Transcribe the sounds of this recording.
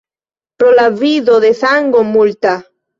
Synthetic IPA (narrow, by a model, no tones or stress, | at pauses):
pɾolaβiðoðeθaŋɡomult̪a